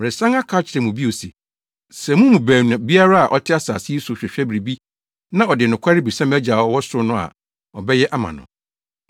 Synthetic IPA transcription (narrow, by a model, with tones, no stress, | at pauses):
ɛ˨sã˦ŋa˦kʰaː˨˦t͡ɕʰɪ˨ɛ˨mũ˨bi˦o˨si˨ | sɛ˨mũ˦mũ˨bæː˨nũ˨bi˦a˦ɾa˦a˨ʔɔ˨tʰɪ˦a˦sa̰ː˨sɪ˦e˦su˨ɕᶣɛ˨ɕᶣɛ˦bɾi˨bi˦ | nã˦ɔ˨dɪ˨nʊ̃˨kʷʰa˦ɾɪ˦bi˨sã˦mæ˦d͡ʑa˨ɔ˨˦wɔ˦sʊ˦nʊ̃˦a̰˨ | ɔ˨bɛ˦jɛ˦ʔa˦mã̰˨nʊ̰̃˨